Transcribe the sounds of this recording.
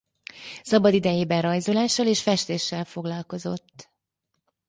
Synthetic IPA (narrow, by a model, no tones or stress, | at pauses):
sɒbɒd̪id̪ɛjeːbɛnrɒjzolaːʃːɒleːʃfɛʃt̪eːʃːɛlfo̞ɡlɒlko̞zo̞t̪ː